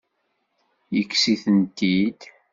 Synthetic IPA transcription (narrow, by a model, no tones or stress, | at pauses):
jəkːsiθənt̪id̪